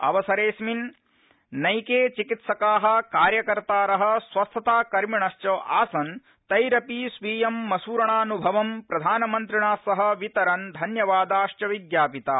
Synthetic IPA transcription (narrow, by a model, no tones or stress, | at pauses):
ɐ̰ʋɐsɐɾeːsmin | nɐjkeːt͡ʃikit̪sɐkaːɦɐ̆kaːɾjɐkɐɾt̪aːɾɐɦɐ̆sʋɐst̪ʰɐt̪aːkɐɾmiɳɐʃt͡ʃɐːʔaːsɐn | t̪ɐjɾɐpisʋiːjɐmːɐsuːɾɐɳaːnubʱɐʋɐmpɾɐd̪ʱaːnɐmɐnt̪ɾiɳaːsɐɦɐ̆ʋit̪ɐɾɐnd̪ʱɐnjɐʋaːd̪aːʃt͡ʃɐʋiɡ̪jaːpit̪aː